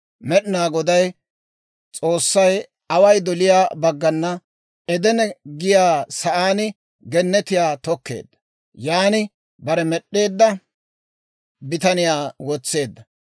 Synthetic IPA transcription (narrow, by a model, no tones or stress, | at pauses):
mɛɗɪnaːɡɔd̪ɐj | t͡sʼo̞ːsːɐj | ɐwɐjd̪ɔlɪjaːbɐɡːɐnːɐ | ɛd̪ɛnɛɡɪjaːsɐʔaːnɪ | ɡɛnːɛt̪ɪjaːt̪ɔkːe̞̰ːd̪ːɐ̥ | jaːnɪ | bɐɾɛmɛɗːe̞ːd̪ːɐ | bɪt̪ɐnɪjaːwɔt͡sːe̞ːd̪ːɐ